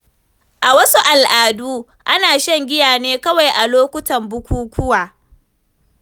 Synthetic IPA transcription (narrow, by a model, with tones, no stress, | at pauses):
ʔa˨wɐ˦su˦ʔa˨lʔaː˨duː˦ | ʔa˦naː˨ʃɐ˦ŋɡʲɪ˦jaː˨neː˦kɐ˦wa˨jʔa˨loː˦kʷʊ˦tɐ˨mbʊ˦kʷuː˦kʷʊ˦waː˨